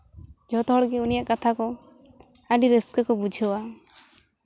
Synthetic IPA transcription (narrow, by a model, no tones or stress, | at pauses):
d͡ʒʱɔt̪ɔɦɔɽɡɛunijaʔkat̪ʰakɔ | aɖiɾəskəkɔbud͡ʒʱəwa